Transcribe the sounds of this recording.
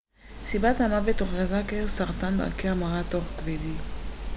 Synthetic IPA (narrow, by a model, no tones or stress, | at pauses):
sibat̪amavet̪oχezakesaʁt̪and̪a̰keamaʁat̪oχkved̪i